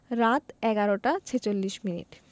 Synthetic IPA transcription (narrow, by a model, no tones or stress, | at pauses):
ɾat̪ɛɡaɾoʈat͡ɕʰet͡ɕolːiʃminḭʈ